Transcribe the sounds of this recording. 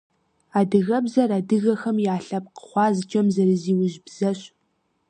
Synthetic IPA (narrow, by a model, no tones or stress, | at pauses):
aːdɨɣɐbzɐɾadɨɣɐxɐmjaːɬɐp̚qə̥χʷɑːzɨt͡ʃʼɐmzɐɾɨziːwʊʑbzɐɕ